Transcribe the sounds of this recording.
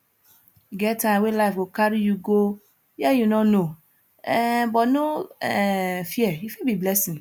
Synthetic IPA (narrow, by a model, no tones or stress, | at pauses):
ɡɛtʰãwelaɪfwokaɾijuɡo | jɛjunɔno | ɛbɔno | fiɛjufibiblɛsĩn